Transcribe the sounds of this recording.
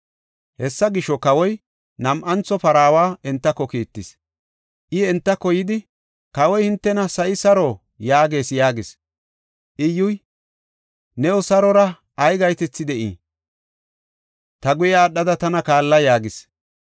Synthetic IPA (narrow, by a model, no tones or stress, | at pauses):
hɛsːɐɡɪʃːɔkɐwɔj | nɐmʔɐnt͡sːɔpɐɾaːwaːɛnt̪ːɐkːɔkiːt̪ːɪs | ʔɪɛnt̪ːɐkːɔjɪd̪ɪ | kɐwɔjhɪnt̪ːɛnɐsɐʔɪsɐɾoː | jaːɡe̞ːsjaːɡɪs | ʔɪjʊj | nɛɔsɐɾɔɾɐ | ɐjɡɐjt̪ɛt͡sːɪd̪ɛʔḭː | t̪ɐɡʊjaːɗɐd̪ɐt̪ɐnɐkaːlːɐjaːɡɪs